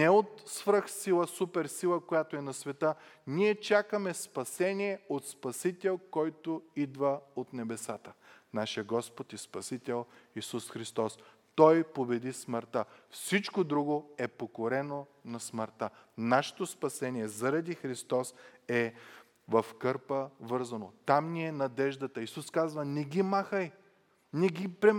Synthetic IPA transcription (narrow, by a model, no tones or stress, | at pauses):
nɛot̪svɾəxsilˠəsupɛɾsilˠəkojat̪oɛnɐsvɛt̪əniɛt͡ʃakəmɛspɐsɛniɛot̪spɐsit̪ɛlˠkɔjt̪oid̪vəot̪nɛbɛsat̪ənaʃijəɡɔspot̪ɛspɐsit̪ɛlˠisusxɾist̪ɔs | t̪ɔjpobɛd̪isməɾt̪əfsit͡ʃkod̪ɾuɡoɛpokoɾɛnonɐsməɾt̪anaʃɛ̥t̪ospɐsɛniɛzɐɾɐd̪ixɾist̪ɔsɛ | vɐfkɤɾpəvɤɾzɐnot̪amniɛnɐd̪ɛʒd̪ɐt̪əisuskazvənɛɡʲimaxəj | nɛɡʲipɾɛ